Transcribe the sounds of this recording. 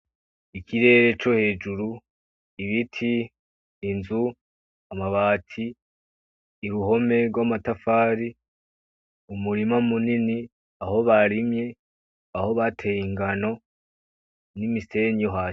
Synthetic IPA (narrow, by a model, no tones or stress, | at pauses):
ikʰiɾe̞ːɾe̞t͡ʃo̞he̞ːd͡ʒuɾu | iβitʰiː | nzu | amaβaːtʰi | ɾuho̞me̞ɾɡwamatafaːɾi | umuɾimamunini | aho̞βaɾimɲe̞ | aho̞βatʰe̞jiŋɡano̞ | nimise̞ɲoɦḁː